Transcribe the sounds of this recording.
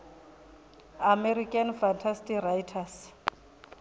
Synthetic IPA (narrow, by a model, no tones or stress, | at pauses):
amɛrikʼanfantʰastirajtʰas